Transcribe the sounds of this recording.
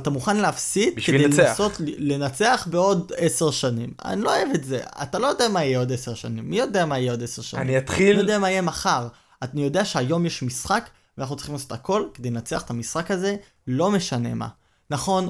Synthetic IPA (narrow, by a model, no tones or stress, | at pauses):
at̪amuχanleafsit̪̚bikedejlso̞t̪le̞nat͡se̞aχbe̞o̞dese̞ʁʃanima̰niloaevetze̞̰a̰talo̞jod̪eamaijeo̞deseʁʃanimːijo̞deamaijeo̞deseʁʃa̰a̰niat̪χinijod̪eamaijemaχaʁ | anijo̞d̪eaʃeajo̞mjeʃmisχak | anaχnutt͡ssi̥χimlaso̞t̪ako̞lke̞d̪ejlenat͡seaχe̥t̪amisχakaze̞ | lo̞me̞ʃane̞̰ma̰ | naχo̞n